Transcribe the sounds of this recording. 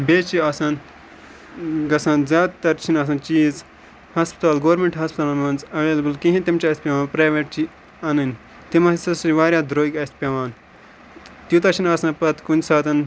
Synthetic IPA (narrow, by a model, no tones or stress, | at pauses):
beːt͡ʃʰiɐːsaːn | ɡɐsãːnzʲjaːd̪t̪ːɐɾt͡ʃʰinɐːs̬ɐ̃ːnt͡ʃiːz | hɐspt̪aːlɡoːɾmeɳʈɦɐspt̪aːlmɐnzɐʋeːlɐbɨlkĩɦĩt̪imt͡ʃiɐst̪pʲjɐʋãːnpɾaːʋeʈ̚t͡ʃi | ɐnɨnʲ | t̪imɐsɐsiʋaːɾjaːd̪ɾoːikʲɐspʲjɐʋaːn | t̪jut̪ɐɾt͡ʃʰinɐːsãnpɐt̪kunʲsaːt̪ɐn